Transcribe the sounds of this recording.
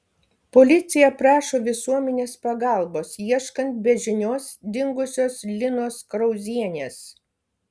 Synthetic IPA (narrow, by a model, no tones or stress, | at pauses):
pɔlʲɪt̪sʲɪjɛpɾɑːʃoːʋʲɪsuɔmʲɛnʲeːspɐɡɑˑlˠboːsiɛʃkɐnt̪̚bʲɛʒʲɪnʲoːsd̪ʲɪŋɡʊsʲoːslʲɪnoːskɾɔʊzʲiɛnʲeːs